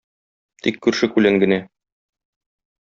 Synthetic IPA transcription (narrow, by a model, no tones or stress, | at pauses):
t̪ikːʉɾʃɘkʉlæŋɡɘ̆næ